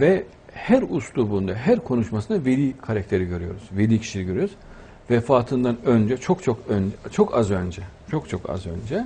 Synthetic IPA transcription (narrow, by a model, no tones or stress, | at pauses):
vɛ | hæɾuslˠubund̪aɦæɾkʰo̞nuʃmasɯnavelʲiːkʰaɾac̚t̪ʰe̞ɾiɟø̞ɾyjo̞ɾuz̥velʲiːcʰi̥ʃiliɟøɾyjoz̥ | vɛfaːt̪ʰɯnd̪anø̞nd͡ʒɛt͡ʃʰo̞kt͡ʃʰokønd͡ʒt͡ʃʰo̞kʰa̰zø̞nd͡ʒɛt͡ʃʰo̞kt͡ʃʰo̞kʰa̰zø̞̰nd͡ʒɛ